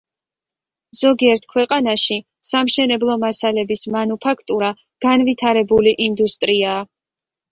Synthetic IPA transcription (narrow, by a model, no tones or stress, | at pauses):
z̥ɔɡiɛɾt̪ʰkʰwɛqʼanaʃi | samʃɛnɛblˠɔmasalɛbismanupʰakʰt̪ʼuɾa | ɡ̥anvit̪ʰaɾɛbuliʔind̪ust̪ʼɾiaː